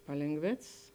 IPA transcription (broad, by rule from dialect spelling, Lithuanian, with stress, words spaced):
pɐlʲeːŋˈɡʋʲeːt͡ss